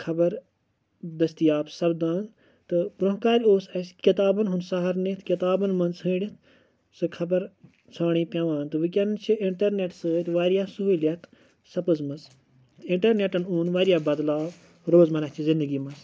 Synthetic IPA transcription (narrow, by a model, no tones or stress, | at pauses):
kʰɐbɐɾ | d̪ɐst̪ijaːpsɐbd̪aːn | t̪ɨpɾuɦkaːɾʲoːsɐskit̪aːbɐnɦunsɐɦɐɾnit̪ʰkit̪aːbɐnmɐnzɦɨ̃ːɖʲit̪ | sɨkʰɐbɐɾ | t͡sʰaːɳ̃iːpʲɐ̃ʋãːnt̪ɨʋɨk̬ʲɐnnt͡ʃʰiiɳʈɐɾneʈsɨːt̪ʲʋaːɾijaːsuɦulʲɐt̪ | sɐpɨzmɐz | t̪ɨiɳʈɐɾneʈɐnuːnʋaːɾijaːbɐd̪laːb | ɾoːzmɐnɐt͡ʃʰizĩnd̪ɨɡiːmɐnz